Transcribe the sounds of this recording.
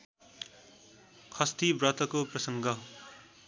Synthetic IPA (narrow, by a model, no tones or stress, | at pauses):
kʰʌst̪ibrʌt̪ʌkoprʌsʌŋɡʱʌ